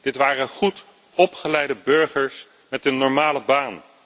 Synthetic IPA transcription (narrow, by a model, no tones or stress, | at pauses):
d̥ɪtʋaːrəχut | ɔpχəlɛjdəbɵɹχəɹs | mɛtənːɔɹmaːləbaːn